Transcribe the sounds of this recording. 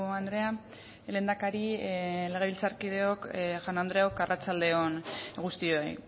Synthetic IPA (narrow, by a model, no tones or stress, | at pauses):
and̪ɾe̞a | le̞nd̪akaɾile̞ɣ̞e̞βilt͡saɾkið̞e̞o̞kʝanand̪ɾeokarat͡ʃald̪e̞o̞nɣust̪ioej